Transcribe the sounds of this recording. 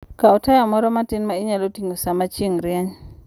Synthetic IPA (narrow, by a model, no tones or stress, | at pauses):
kaɔtajamɔɾɔmatɪnmaɪɲalotiŋosamat͡ʃiŋɾjaɲ